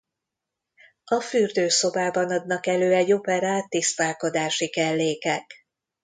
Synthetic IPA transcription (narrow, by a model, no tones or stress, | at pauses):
ɒfyrd̪øːso̞baːbɒnɒd̪nɒkɛløːɛɟo̞pɛɾaːt̪ːist̪aːlko̞d̪aːʃikɛlːeːkɛk